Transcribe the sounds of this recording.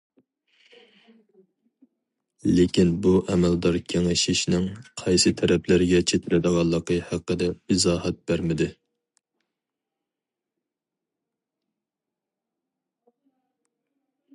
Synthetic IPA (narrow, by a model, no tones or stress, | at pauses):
lekʲinbuʔɛmɛld̪ɑɾkʲʰeŋɪʃɪʃnɪŋqʰɑjsɨt̪ʰɛɾɛplæɾɡʲɛt͡ʃʰet̪ʰɪɾɪd̪əʁɑlˠːəqəhæqːəd̪ɛɪzɑːhɛt̪̚bæɾmɪd̪ɪ